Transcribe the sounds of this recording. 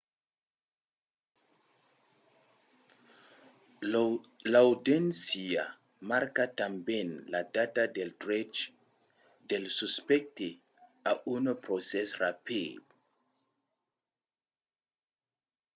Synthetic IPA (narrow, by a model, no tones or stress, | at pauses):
lawdensia | maɾkatambɛ̃nladatadeltɾɛt͡ʃ | delsuspɛk̚te | aʔunpɾosɛsrapḭd